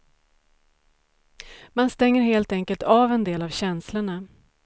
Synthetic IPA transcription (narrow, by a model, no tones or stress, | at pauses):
manst̪ɛŋːəɾɦeːlt̪ɛŋkəlt̪ʰaːvɛnd̪eːlavɕɛnsləɳa